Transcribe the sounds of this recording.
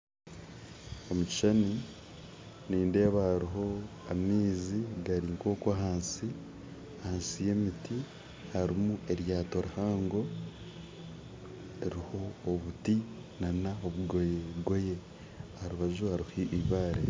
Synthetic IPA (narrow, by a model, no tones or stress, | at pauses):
omuci̥ʃani | niːnde̞ːβaɾiɦo̞amiːziɡaɾiŋko̞ːkaɦaːnsi | ahaːnsije̞miti | haɾimuʔe̞ɾjaːto̞ɾihaːŋɡo̞ | eɾiho̞ːβuti | nanaoβuɡoɡo̞je̞ | ahaɾuβaʒuhaɾihiʔiβaːɾḛ